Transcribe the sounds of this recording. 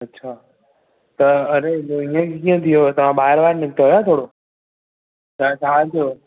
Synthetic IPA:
ɐtːɕʰaː | t̪ɐɐɾeoiə̃kekĩːə̃t̪ʰijot̪ɐʋ̤ãɓaːɦɪɾʋaːɾnɪk̚t̪oɦojaːt̪ʰoːɽoː | t͡ʃʰaːt͡ʃʰaːt̪ʰijoː

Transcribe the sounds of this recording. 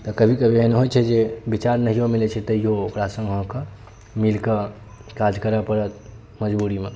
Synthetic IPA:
t̪ɔkəbʱikəbʱiəneɦojt͡ʃʰɛd͡ʒebit͡ʃaɾnəɦijomilɛt͡ʃʰɛt̪əjookɾasə̃ŋɡɦɔ̃kə | milkə | kad͡ʒkəɾəpəɾət̪̚ | məd͡ʒbuɾime

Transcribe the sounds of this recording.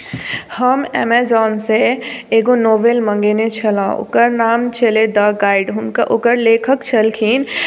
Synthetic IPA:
həmɛ̰mezɔːnseeːɡonoːʋelmə̃ŋɡenet͡ʃʰəlã̰ʊ̰kəɾnaːmt͡ʃʰeled̪ɐɡaːɪɖɦʊnkʔokəɾleːkʰəkt͡ʃʰəlkʰiːn

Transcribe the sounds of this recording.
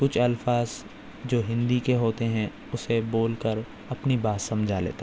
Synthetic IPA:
kʊt͡ʃʰɐlfaːz | d͡ʒoːɦɪ̃nd̪ikeɦoːt̪eɦɛ̃ | ʊseboːlkəɾ | ɐpnibaːt̪sɐ̃md͡ʒʱalḛːt̪a

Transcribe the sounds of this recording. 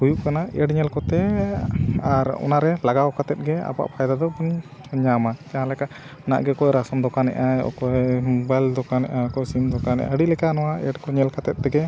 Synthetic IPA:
bujuʔkanaɛɖɲɛlkɔt̪ɛ | aɾɔ̰naɾɛlaɡawkat̪ɛt̪̚ɡɛa̰ba̰ʔpʰajd̪ad̪ɔbun | ɲamakaɦãlɛkaʔ | ɔna̰ʔɡɛkɔjɾasɔmd̪ɔkanɛ̰ʔaɔ̰kɔjmbajld̪ɔkanɛʔakɔjsimd̪ɔkanɛ̰ʔa̰əɖilɛkanɔwaɛɖkɔɲɛlkʰat̪ɛt̪̚t̪ɛɡɛ

